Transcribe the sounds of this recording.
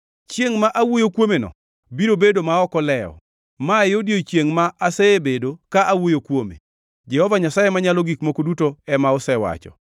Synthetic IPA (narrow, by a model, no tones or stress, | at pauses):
t͡ʃjeŋmaʔawojokwomenɔ̰ | biɾobedomaɔkɔlɛɔ̰ | maɪodjot͡ʃjeŋmaʔasɛebedokaʔawojokwomḛ | d͡ʒɛhɔvaɲasajemaɲalɔɡikmokodutoɛmaɔsɛwa̰t͡ʃɔ̰